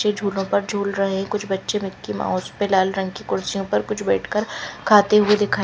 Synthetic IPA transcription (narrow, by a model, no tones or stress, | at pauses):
t͡ʃed͡ʒʱuːlõpɐɾd͡ʒʱuːlɾɐɦeɦɛ̃kʊt͡ʃʰbɐtːʃemɪkːima̰ːɔːspelaːlɾɐ̃ŋɡkikʊɾsijõpɐɾkʊt͡ʃʰbɛ̰ːʈʰkəɾkʰaːt̪eɦʊed̪ɪkʰaː